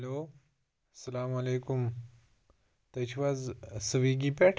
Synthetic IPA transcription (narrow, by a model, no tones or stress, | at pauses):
ɐlo | sɐlamɐlekum | t̪at͡ɕʰiʋad͡zsəʋiɡipɛʈʰ